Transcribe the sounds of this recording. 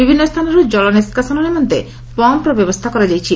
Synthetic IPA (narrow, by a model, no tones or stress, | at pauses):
bibʱinːost̪ʰaneɾud͡ʑɔloneskasononemont̪e | pɔmpɾɔbɛbost̪ʰakɔɾad͡ʑajt͡ɕʰi